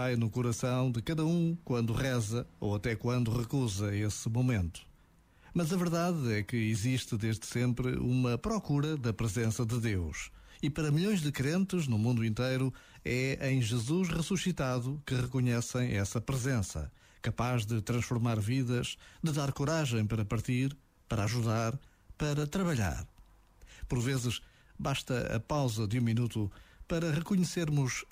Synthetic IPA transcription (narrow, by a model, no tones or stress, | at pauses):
vajnukuɾɐsɐ̃w̃d̪ɨkɐðɐũkwɐ̃nd̪uʁɛzɐo̰wɐt̪ɛkwɐ̃nd̪uʁɨkuzɐesɨmumẽnt̪u̥ | mɐzɐvɨɾðaðɛkɨiziʃt̪ɨðeʒðɨsẽmpɾɨ̰umɐpɾɔkuɾɐðɐpɾɨzẽsɐðɨðewʃ | ipɐɾɐmiʎõj̃ʒðɨkɾẽnt̪ɨʒnumũnd̪uĩnt̪ejɾu | ɛẽj̃ʒɨzuʃʁɨsusit̪aðukɨʁɨkuɲɛsɐ̃j̃ɛsɐpɾɨzẽsɐ̰ | kɐpaʒðɨt̪ɾɐ̃ʃfuɾmaɾviðɐʃd̪ɨðaɾkuɾaʒẽj̃pɐɾɐpɐɾt̪iɾ | pɐɾaʒuðaɾ | pɐɾɐt̪ɾɐβɐʎa̰ɾ | puɾvezɨʃ | βaʃt̪ɐɐ̰pawzɐðɨũminut̪upɐɾɐʁɨkuɲɨseɾmuʃ